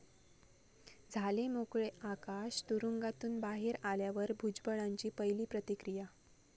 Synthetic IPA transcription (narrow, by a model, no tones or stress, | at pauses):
d͡zʱalemokɭeʔakaɕt̪uɾuŋɡat̪uːnbaɦeːɾaljaʋəɾbʱud͡zbəɭaɲt͡ɕiːpəjliːpɾət̪ikɾija